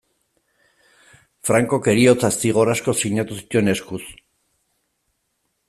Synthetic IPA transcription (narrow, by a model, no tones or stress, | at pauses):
fɾaŋko̞ke̞ɾio̞t͡sasiɣ̞o̞ɾasko̞siɲat̪usi̥t̪ue̞ne̞skus